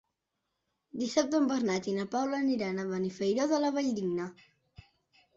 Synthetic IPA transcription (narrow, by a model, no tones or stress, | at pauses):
d̪isap̚t̪əmbəɾnat̪inapawləniɾanəβanifejɾoðələβəʎd̪iŋnə